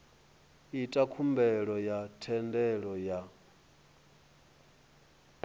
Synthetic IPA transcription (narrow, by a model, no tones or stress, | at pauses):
itʼakʰumbɛɺɔjatʰɛndɛɺɔja